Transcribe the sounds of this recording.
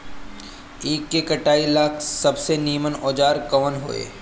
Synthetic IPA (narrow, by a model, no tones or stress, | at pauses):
iːkːekɐʈaːilaːkʰsɐbseniːmənoːd͡ʒaːɾkɐʋənɦo̰ːḛː